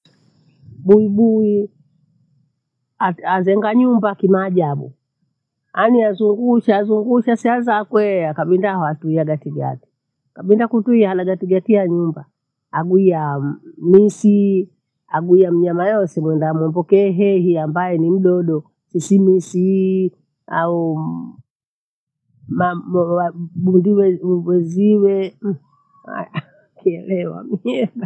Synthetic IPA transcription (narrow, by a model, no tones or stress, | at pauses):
ɓuiɓui | aazɛŋɡaɲumbakimaːʄaɓṵ | aniazuŋɡuʃaːzuŋɡuʃasiazakwɛakaɓindahɔatuiaɡatiɡa̰ti̥ | akaɓindakutuiahalaɡatiɡatiaɲumba | aɡuiamisi | aɡuiam̩ɲamajɔsɛmwɛndamɔmbɔkɛːɦɛɦiambajɛnim̩ɗɔɗɔ | sisimisi | a̰u | mawaɓundiwɛwɛziwɛ | a̰ | kiɛlɛwa̰mɛɡa